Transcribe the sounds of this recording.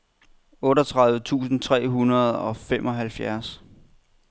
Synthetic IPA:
ɔ̽ːɾɒt͡sʰʁɑ̈ðˠʋət͡sʰṵːsn̩t͡sʰʁɛ̰ːɦunɐð̞̩ˠɒ̽femʔɒ̽ɦælfjæɐs

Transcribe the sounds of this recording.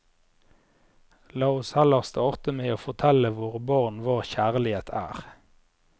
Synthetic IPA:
lɑːʊshɛləʁst̪ʰoːʁt̪əmeɪoːfɔʁt̪ʰɛləʋʊʁbɑʁnʋɑːʁçæːʁlɪheːt̪ʰæ̰ːʁ

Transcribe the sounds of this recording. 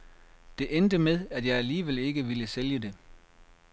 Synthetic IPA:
d̥e̝ʔend̥əmeðˠæd̥jɑ̈ɪæliːʋel̰e̝ɡ̥əʋiləseljəd̥e̝

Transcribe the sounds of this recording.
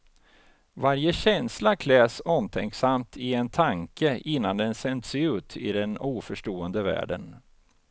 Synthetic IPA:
vaɾjəɕɛnslakʰlɛːsɔmt̪ʰɛŋksamt̪ʰɪɛnt̪ʰaŋkəʔɪnːand̪ɛnsɛnd̪sɛʉ̟ːt̪ʰɪ̰d̪ɛnuːfœʂʈoːənd̪əvæ̰ːɖə̰n

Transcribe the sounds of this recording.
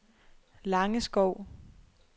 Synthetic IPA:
lɑ̈ŋəsɡ̥ɒʊ̰

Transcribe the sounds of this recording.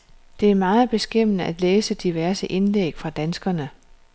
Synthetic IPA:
d̥e̝æɐmɑ̈ːð̞̩ˠb̥e̝sɡ̥em̰ənəæd̥leːsəd̥iʋæɐsəʔe̝nlḛːɡ̥fʁɑ̈d̥ænsɡ̥ɐnə

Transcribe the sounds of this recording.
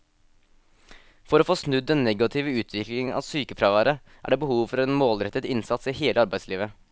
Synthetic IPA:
fɔɾoːfoːsnʉd̪ːɛnnɛɡɑt̪ʰɪːʋəʉːt̪ʰʋɪklɪŋɑ̰ːʋsyːkəfɾɑʋæːɾə | ʔæ̰ːɖeːbəhuːʋfɔɾeːnmoːlɾɛt̪ːət̪ɪnsɑt̪siːheːləɑɾbæɪsliːʋə

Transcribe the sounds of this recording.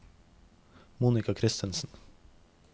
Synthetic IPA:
muːnɪkɑkʰɾɪst̪ənsn̩

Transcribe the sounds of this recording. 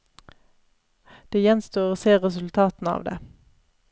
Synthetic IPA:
d̪̥eːjɛnst̪uːʁoːseːʁɛsʉlt̪ʰɑːt̪n̩ɑ̰ːʋd̪ḛː

